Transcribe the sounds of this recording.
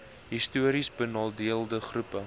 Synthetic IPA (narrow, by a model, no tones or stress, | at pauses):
ɦistuəɾisbənɑːlˠdiəlˠdəχrupə